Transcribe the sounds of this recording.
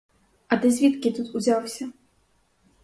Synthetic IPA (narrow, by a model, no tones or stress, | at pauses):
ɐd̪ɐzʲvʲit̪kʲit̪ut̪uzʲawsʲɐ